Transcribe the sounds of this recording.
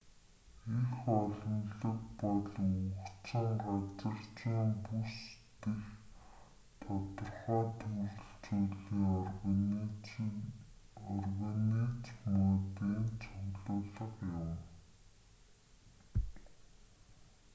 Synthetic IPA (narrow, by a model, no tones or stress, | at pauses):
exɔɮɞ̆nɮə̆kpɔɮukt͡sə̆ŋɢat͡sə̆rt͡ɕiːmpust̪ex | t̪ʰɔt̪ɞ̆rχɔːt̪ʰuɮɘ̆ɬt͡suɮiːŋ | ɔrɣanit͡smɔt̪iːnt͡sʰʊɣɮʊːɮə̆qjʊw